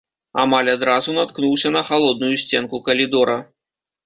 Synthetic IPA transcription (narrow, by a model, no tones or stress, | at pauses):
a̰malʲad̪ɾazunat̪knuwsʲɐnɐxalˠɔd̪̚nujusʲt͡sʲɛnkukɐlʲid̪ɔɾɐ